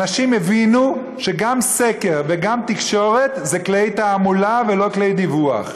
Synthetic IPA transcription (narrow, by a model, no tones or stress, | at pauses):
aʃimevinu | ʃe̞ɡamseke̞ʁveɡamt̪ikʃo̞ʁe̞t̪zeklejt̪aːmulave̞lo̞kle̞jd̪ivua̰χ